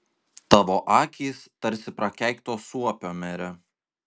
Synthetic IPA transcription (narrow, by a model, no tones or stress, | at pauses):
t̪ɑːʋoːʔɑːkʲiːst̪ɐɾʲsʲɪpɾɐkʲæˑɪkt̪oːsuɔpʲoːmʲɛɾʲɛ